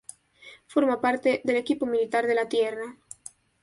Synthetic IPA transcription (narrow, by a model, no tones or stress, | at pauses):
foɾmapaɾt̪eðelekipomilit̪aɾðelat̪jera